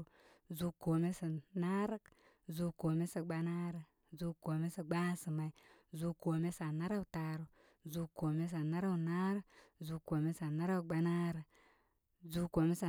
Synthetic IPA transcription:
zu˦ko˨me˦si˨na˦ɾə˦k | zu˦ko˨me˦si˨ɡ͡ba˦na˦ɾə˨ | zu˦ko˨me˦si˨ɡ͡ba˦si˨ma˨i˨zu˦ko˨me˦sa˨na˦ɾa˦wta˨ɾu˨ | zu˦ko˨me˦s̬a˨na˦ɾa˦wu˨na˦ɾu˦zu˦ko˨me˦sa˨na˦ɾa˦wɡ͡ba˦na˦ɾə˨ | zu˦ko˨me˦sa˨

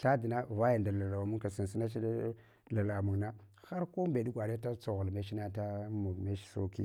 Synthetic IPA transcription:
ɬa˦di˨na˦va˦ja˨nda˨la˨la˨wmu˦ŋka˨si˨n˨si˦na˦t͡ʃi˦d | la˨la˨mu˨ŋna˦ | xa˦ɾko˦mbe˨di˦ɡʷa˨da˦ta˦t͡so˨ɣlme˦ʃi˦na˦ta˦mu˨me˦ʃso˦kḭ˦

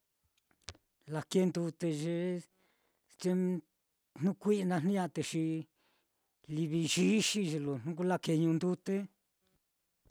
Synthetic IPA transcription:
la˧ke˦nd̪u˧t̪e˧ʒe˧ | t͡ʃe˦ | n̥ũ˦kʷi˦˧nã˧n̥ũ˦ã˧t̪e˧ʃi˧ | li˧βi˧ʒi˦ʃi˧ʒe˧lo˨n̥ũ˦k̬u˦la˦˧ke˧ɲũ˧nd̪u˦t̪e˦

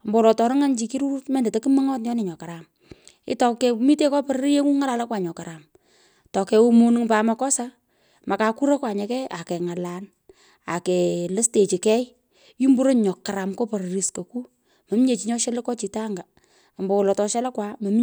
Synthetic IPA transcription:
mbo˨wʊ˨lɔ˨tɔ˨ɾɔ˦ŋa˦nt͡ʃi˨˦ki˦ɾu˦ɾu˦tmɛ˦ndɛ˨te˨ki˦mə˦ŋɔ˦t̬jɔ˦nɪ˨ɲɔ˨ka˨ɾa˨m | ɪ̰˦tɔ˨kɛ˨mi˦te˦kɔ˦pɔ˨ɾɾi˦je˦ŋu˦ŋa˦la˨la˦kwa˨ɲɔ˨ka˨ɾa˨m | tɔ˨kɛ˨u˦mo˦nɨ˦ŋpa˨ma˨kɔ˦sa˦ | ma˨ka˨ku˦ɾa˦kwa˨ɲɛ˨kɛ˦ʔa˨kɛ˨ŋa˨la˨n | a˨kɛ˨lɨ˦ste˨t͡ʃi˨kɛ˦j | ji˦mbu˦ɾo˦ɲɔ˨ka˨ɾa˨mko˦pɔ˨ɾɾi˨sko˨ku˦ | mɐ˨m˦ɲe˨t͡ʃi˨˦ɲɔ˦ʃɛ˦le˦kɔ˦t͡ʃi˨ta˦ŋɡa˨ | mbɔ˨wʊ˨lɔ˨tɔ˨ʃɛ˦la˦kwa˨mɐ˨m

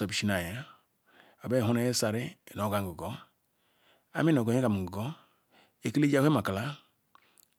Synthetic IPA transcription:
o˨bi˨ʃi˦na˨ja˨˦ | a˨be˦˨ɦu˦ne˦je˦sa˨ɾi˦e˨n˨o˨ɡa˦ŋ˨ɡu˨ɡo˦ | a̰˦mi˦no˨ɡo˨ɲ˦e˦ɡa˨m˨ɡu˨ɡo˦ | e˨ki˦le˦d͡ʒa˦e˦ma˨ka˨la˦

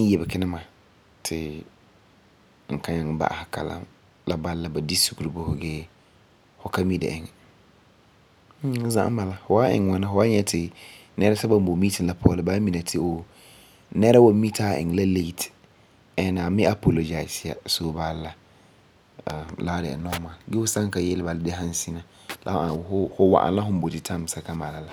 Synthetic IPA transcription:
jɛ˨bɛ˨kɪ˦nɪ˦ma˨ | tʰɪ˨ | ŋ̩˨ka˦ɲã˨ŋ˨ba̰˦a̰˨ha˨kʰa̰˨lã̰˦ | la˦ba˦lla˨ba˨di˦su˨ku˨ɾi˨bʊ˦hʊ˨ɡɛː˦ | hʊ˨ka˦mi˦dɛ̰˨ʔɪ˨ŋɛ˨˦ | zã̰˦ʔm˦ma˨la˦hʊ˨wa˦ɪ̰˨ŋ˨wɔ˨nɪ˦fʊ˨wa˦ɲɛ˨tʰɪ˨ | nɛ˦ɾa˦ta˦ba˦m˦bo˨miː˦tɪ̃˨la˦pʰɔː˦lɪ˦baː˦mi˨na˨tʰɪ˨o˨ | nɛ˦ɾa˦wa˨˦mi˦tʰaː˦˨ɪ̰˨ŋ˨la˦le˦i˦t | ɛ˨na˨mɪ˦ʔa˦pʰo˨lo˨d͡ʒa˨ɪ˨sɪ˨a̰˨so˦ba˦lla˨ | a̰˨la˦dɛ̰˨ɛ̰˨nɔ˦maː˨ɡɛ˦hʊ˦sã˦ŋ˦ka˨jɛ˦lɪ˦ba˨lɪ˦dɪ˦ɦã˦n˦si˦na˦ | la̰˨hʊ˦a˨hʊ˦hʊ˦wa̰˨ʔã̰˨n˦la˦ɦʊ̃˦m̩˦bo˨tɪ˦tʰã˦˨m˨sa˨ka˦ma˨la˨la˦

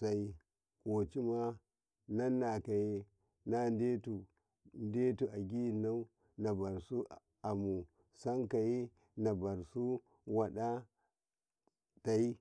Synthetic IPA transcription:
sa˨i˨ | ko˨t͡ʃi˦ma˦ | na˦nːa˨ka˨je˦ | na˦nde˦tu˨ | nde˦tu˨ʔa˨ɡʲi˦˨na˦u˦ | na˨ba˨ɾsu˦ | a˨mu˨ | sa˦ŋka˨ji˦ | na˨ba˨ɾsu˦ | wa˨ɗa˦ | ta˨i˦

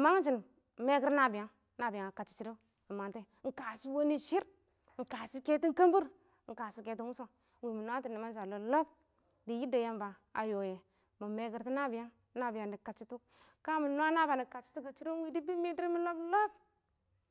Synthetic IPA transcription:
ma˦ŋ˦t͡ʃi˨n˨ | me˦ɡi˦ɾna˦bi˨ja˦ŋ | na˦bi˨ja˨ŋa˨ka˨t͡ʃi̥˦t͡ʃi˦ɾi˦ | a˨ma˨nte˦ŋ̩˨ka˨si˦wo˦ni˦ʃi˦ɾ | ŋ̩˨ka˨si˦ke˦ti˦ŋ˦ka˦mbu˦ɾ | ŋ̩˨ka˨si˦ke˨t̬i˦ŋu˦so˦ | wi˨mu˨n˦a˦ti˨ni˨ma˦d͡ʒa˨lo˨lo˦b | di˨ji˦da˨ja˦mba˨ | a̰˨jo˨je˨ | mu˨me˨ɡi˨ɾti˦na˦bi˨ja˦ŋ˦na˦bi˨ja˨ndi˨ka˨t͡ʃi˦tu˦k | ka˦mu˨no˦a˦na˦ba˨ni˨ka˨t͡ʃi̥˦tu˦ɡi˨t͡ʃi˦ɾu˦wi˦di˦bi˦mi˦di˦ɾi˦mi˦lo˦blo˦b

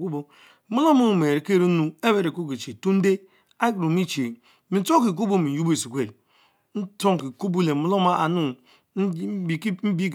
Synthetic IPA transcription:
ku˦bo˦ | mu˦lo˦mu˦˨me˨ɾe˨ke˦ɾi˦nu˦e˦be˦˨ɾe˨ku˦ke˨t͡ʃe˨tu˦n̩˦de˦ | a˦ɡɾu˨mi˦t͡ʃe˨ | mi˨n̩˦to˦ki˨k̬u˦bo˦mi˨ju˦be˨si˨kʷe˨ | n̩˦to˦ŋ˨ki˨ku˦bu˦le˨mu˦lo˦ma˦a˨nu˦˨˦ | i˨km̩˦bi˦ɡ

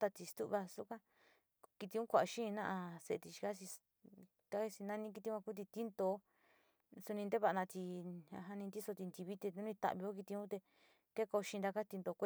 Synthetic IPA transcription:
t̪a˧t̪i˧st̪u˦βa˧su˦kã˦ | ki˧t̪i˧ũ˦kʷa˧˨ʔa˨˧ʃĩ˦˧nã˦ʔã˧se˧e˧t̪i˧ʃi̥˧ka˦si˧ | ka˦˧si˧nã˦nĩ˦k̬i˧t̪i˧˦kʷã˧ku˦t̪̬i˧t̪i˦nd̪o˧˦ | su˧nĩ˧nd̪e˦βa˧ʔa˧nã˧t̪i˧ã̰˧ɦa˧nĩ˧nd̪i˦so˧t̪i˧nd̪i˧βi˦t̪e˧nũ˦nĩ˧t̪a̰˧˨βi˧o˦k̬i˧t̪i˧ũ˦t̪e˧ | ke˦ko˧ʃĩ˧nd̪a˧ka˦t̪i˧nd̪o˧kʷe˦

